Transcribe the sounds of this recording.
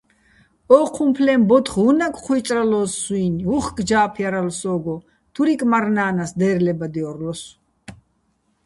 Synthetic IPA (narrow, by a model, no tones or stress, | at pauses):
ɔːqʰumpʰlɛmbɔt̪χɦunakʼχʰwit͡ʃʼralɔːsːwinuχkʼd͡ʒaːpʰjaɾalsɔːɡɔ | t̪ʰuɾikʼmaɾnaːnasd̪ɛːɾlɛbad̪iɔɾlɔs